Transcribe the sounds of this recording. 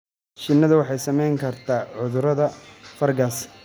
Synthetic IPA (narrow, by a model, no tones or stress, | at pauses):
ʃɪnːɐðɐwɑħɑjsɐmɛjŋkʰɐrt̪ʰaːʕʊðʊɾɐðɐfɐrɡaːs